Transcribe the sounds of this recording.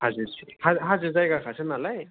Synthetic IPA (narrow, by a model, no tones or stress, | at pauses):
hazɯɾsihaɦazɯzajɡakʰasʰɯnalaj